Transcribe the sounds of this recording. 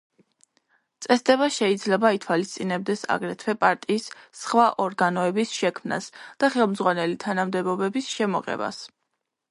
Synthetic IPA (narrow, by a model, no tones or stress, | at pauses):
t̪sʼɛsd̪ɛβaʃɛid̪zlɛbait̪ʰwalist̪sʼinɛb̚d̪ɛsa̰ɡɾɛt̪ʰwɛpʼaɾt̪ʼiːsːχwaʔɔɾɡanɔɛbisʃɛkʰmna̰sd̪̥aχɛlˠmzʁwanɛlit̪ʰanamd̪ɛbɔbɛbisʃɛmɔʁɛ̰ba̰s